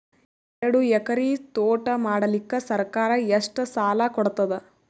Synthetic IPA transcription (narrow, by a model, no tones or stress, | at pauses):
ɛɾɐɽuɛkɐɾit̪oːʈɐmaːɽɐlikːesɐɾkaːɾɐeʂʈɐsaːlɐkɔɽt̪ɐd̪e